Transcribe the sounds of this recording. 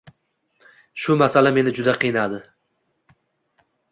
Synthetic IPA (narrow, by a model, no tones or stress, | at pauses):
ʃʊmasalame̞nɪd͡ʒʊd̪aqʰɨjnad̪ɪ